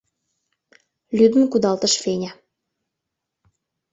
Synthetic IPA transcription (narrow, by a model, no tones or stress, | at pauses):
lʲyd̪ə̆mkud̪ɑlt̪ə̆ʃfenʲæ